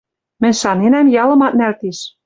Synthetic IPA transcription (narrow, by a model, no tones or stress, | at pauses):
mɘ̆nʲʃɑnenæmjɑlɤ̆mɑt̪̚nælt̪eʃ